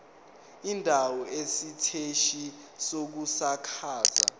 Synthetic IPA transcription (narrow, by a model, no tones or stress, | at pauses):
indʱawɔesitʰeʃi | sok̬usakʰaːza̰